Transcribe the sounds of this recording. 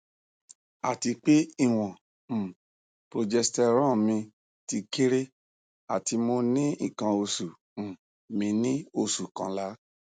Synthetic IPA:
a̰˨ti˧k͡pe˦i˦˨w̃ɔ̃˨ | pɾo˧d͡ʒɛ˧stɛ˧ɾ̃ã˦˨mĩ˧ | ti˧ke˦ɾe˦ | a˨ti˧mo˧nĩ˦ĩ˦˨kã˧o˧sũ˨ | mĩ˧nĩ˦o˧su˨kã̰˧˦la˨˦

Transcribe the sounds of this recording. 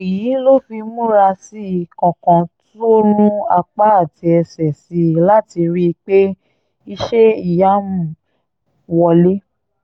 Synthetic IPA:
i˨ji˨˦lo˦fi˧mũ˦ɾa˧si˦i˨kɔ̃˨kɔ̃˨tu˦o˦nũ˦a˧k͡pa˦a˦˨ti˧ɛ˧sɛ˨si˨˦la˦ti˧ɾi˦˧k͡pe˦ | i˧ʃe˦i˦˨ja˨˦mũ˦˨ | wɔ˧le˦

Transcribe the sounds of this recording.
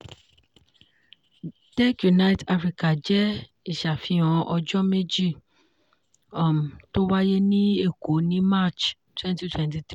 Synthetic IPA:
d̥ɛ˦kju˨na˦jta˦fɾi˦ka˨d͡ʒɛ˦ | i˦˨ʃa˨fĩ˧ɔ̃˨ʔɔ˧d͡ʒɔ˦me˦d͡ʒi˦˨ | ɔ˨m˨to˦wa˦je˦nĩ˦e˦˨ko˨˦nĩ˦ma˦˨t͡ʃ | twɛ̃˦nti˦twɛ̃˦nti˧t̪

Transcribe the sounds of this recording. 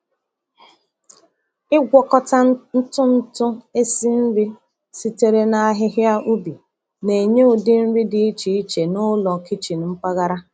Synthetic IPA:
ɪ˦ɡʷɔ˨kɔ˨ta˦n̩˦tʊ˦n̩˦tʊ˦e˦si˦n̩˦ɾi˦ | si˦te˨ɾe˦na˨a˦ɦɪ˦ɦɪ˦a˦ʔu˦bi˨ | ne˨ɲe˦ʊ˨dɪ˦n̩˦ɾi˦dɪ˨i˦t͡ʃi˨i˦t͡ʃe˨nʊ˦lɔ˨ki˦t͡ʃi˨n̩˦ŋ͡m̩˦k͡pa˦ɣa˦ɾa˦

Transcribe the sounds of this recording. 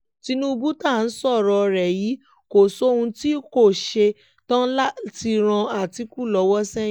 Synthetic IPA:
ti˧nũ˦u˧bu˦ta˦˨n̩˦sɔ˦˨ɾɔ˧ɾɛ˨ji˨˦ | ko˨so˦hũ˧ti˦ko˦˨ʃe˧ | tã˦la˦ti˧ɾ̃ã˧a˨ti˧ku˦˨lɔ˨˧˦wɔ˦sɛ˦

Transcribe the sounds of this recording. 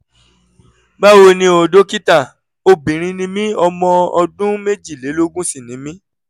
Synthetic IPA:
ba˦wo˧nĩ˧o˨do˦ki˦ta˦˨ | o˦bĩ˨ɾ̃ĩ˧nĩ˧˦mĩ˦ɔ˧mɔ̃˧ɔ˧dũ˦me˦d͡ʒi˦˨le˨˦lo˦ɡũ˦si˦˨nĩ˨˦mĩ˦

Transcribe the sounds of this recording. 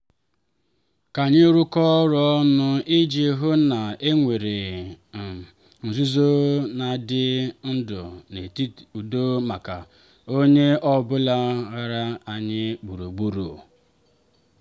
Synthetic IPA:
ka˨ɲɪ˦ɾʊ˦kɔ˦ɾɔ˦nʊ˦i˦d͡ʒi˦ɦʊ˦na˨e˦ŋʷe˨ɾe˨ | n̩˨zu˦zo˦na˨dɪ˦n̩˦dʊ̰˨ne˨˦u˨do˦ma˨ka˨ | o˦ɲe˦ʔɔ˦bʊ˦la˦ɣa˦ɾa˦a˨ɲɪ˦ɡ͡bu˨ɾo˨ɡ͡bu˦ɾo̰˨

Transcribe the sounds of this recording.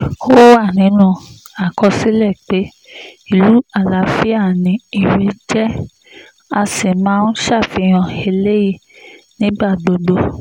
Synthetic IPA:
o˦a˦˨nĩ˨˦nũ˧ | a˨kɔ˧si˨˦lɛ˦˨k͡pe˨˦ | i˦˨lu˨˦a˦˨la˨˧fi˦a˦˨nĩ˨˦i˦˨wi˨˦d͡ʒɛ˦ | a˧si˨mãː˦n̩˦ʃa˦˨fi˨˧˦j̃ɔ̃˧˨e˧le˦ji˦˧˨nĩ˦ba˦˨ɡ͡bo˨˧ɡ͡bo˧

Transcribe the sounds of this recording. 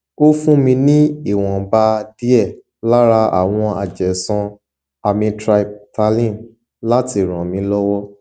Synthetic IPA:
o˦fũ˦mĩ˧nĩ˦i˦˨w̃ɔ̃˨ba˧di˦ɛ˦˨ | la˦ɾa˧a̰˨w̃ɔ̃˧a̰˨d͡ʒɛ˨sã˧ | a˧mĩ˧tɾa˧i˨b̚ta˧lĩ˦˨n | la˦ti˦˨ɾ̃ã˨mĩ˧˦lɔ˦wɔ˦

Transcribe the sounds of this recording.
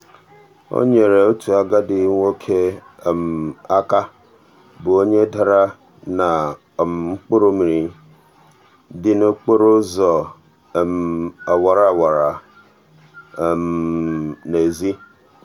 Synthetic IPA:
o̰˦ɲe˨ɾe˨o˦tʰu˨a˦ɡa˦dɪ˨˦ŋʷo˦kʰe˦˨m̩˨a˦ka˦ | bʊ˨o˦ɲe˦da˨ɾa˦ | na˨ | m˨ŋ͡m̩˦k͡po˦ɾo˦mi˨ɾi˨ | dɪ˦no˦k͡po˦ɾo˦zɔ˨ | m˨a˨wa˨ɾa˨wa˨ɾa˨ | m˨ne˨zi˦

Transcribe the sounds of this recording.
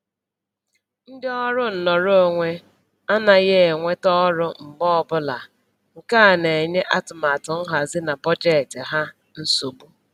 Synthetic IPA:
n̩˦dɪ˦ɔ˦ɾʊ˦n̩˨nɔ˨ɾo˦o˦˨ŋʷe˦ | a˦na˨ɣe˦e˨ŋʷe˦tɔ˦ɾʊ˦m̩˨bɔ˦ɔ˨bʊ˦la˨ | ŋ̩˨ka˦˨ne˨ɲe˦ʔa˦tʊ˨ma˨tʊ˨n̩˦ɦa˨zɪ˦na˨pɔ˦d͡ʒe˦tɪ˨ɦa˦ | n̩˦su˨bu˦

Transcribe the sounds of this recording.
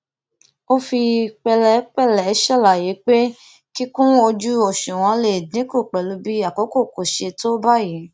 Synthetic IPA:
o˦fi˧k͡pɛ˧lɛ˧˦k͡pɛ˦˨lɛ˨˦ʃɛ˦˨la˨je˨˦k͡pe˦ | ki˦kũ˦o˧d͡ʒu˦o˦˨ʃũ˨w̃ɔ̃˧le˨dĩ˨˦ku˦˨k͡pɛ˨lu˨˧bi˦a˦˨kɔ˨˦ko˦˨ko˨ʃe˧to˦ba˦˨ji˨˦

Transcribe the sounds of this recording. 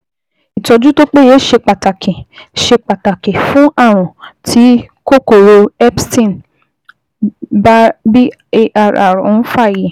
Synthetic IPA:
i˨tɔ˧d͡ʒu˦to˦k͡pe˦je˦ʃe˧k͡pa˨ta˨kẽ˨ʃe˧k͡pa˨ta˨ke˨fũ˦a˦˨ɾ̃ɔ̃˨tʰi˨˦ko˦ko˨ɾo˧ɛ˦psĩ˦˨n | bbi˦ | e˧ʔa˧ɾa̰˨ɾɔ˨˦fa˦˨ji˨

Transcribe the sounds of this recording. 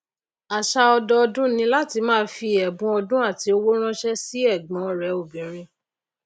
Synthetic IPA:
a˨ʃa˧ɔ˧dɔ˧ɔ˧dũ˦nĩ˧la˦ti˧mãː˦fi˧ɛ˨bũ˧ɔ˧dũ˦a˦˨ti˧˦o˧wo˦ɾ̃ã˦ʃɛ˦si˦ɛ˦˨ɡ͡bɔ̃˨ɔ˧ɾɛ˨˦o˨bĩ˨ɾ̃ĩ˧

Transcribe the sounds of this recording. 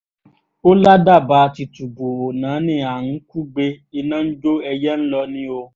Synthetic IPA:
o˦la˦da˦˨ba˨˦˧ti˧tu˨bo˨o˨nãː˨˦nĩ˧˦a˨ñ̩˨˦ku˦ɡ͡be˧i˧nã˦n̩˦d͡ʒo˦ɛ˧jɛ˦n̩˦lɔ˧nĩ˦o˧

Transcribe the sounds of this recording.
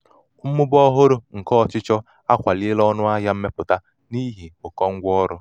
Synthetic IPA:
m̩˦mʊ˦bɔ˦ɦo˦ɾo˦ŋ̩˨kɔː˦˨t͡ʃɪ˦t͡ʃɔ˦ | a˦kʷa˨lɪ˦e˦lɔ˦nʊ˦a˦ɦa˦m̩˦me˦pʊ˨ta˦ | ni˦ɦi˨ʊ˨kɔ˦ŋ̩˦ɡʷɔ˦ɾʊ˦

